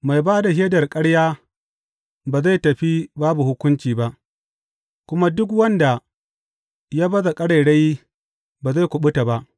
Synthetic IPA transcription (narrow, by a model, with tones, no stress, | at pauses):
ma˨jbaː˦da˨ɦeː˦dɐ˨rkʼɐ˦ɽjaː˦ | baː˨za˦˨jtɐ˨ɸi˦baː˦bu˨hʊ˦kʷʊ˦nt͡ʃiː˨ba˦ʔ | kʷʊ˦ma˦dʊ˦k̬wɐ˦nda˨ | ja˦bɐ˦za˨kʼɐ˦ɽa˨jɽa˦j | baː˨za˦˨jkʷʊ˨ɓʊ˦ta˨ba˦ʔ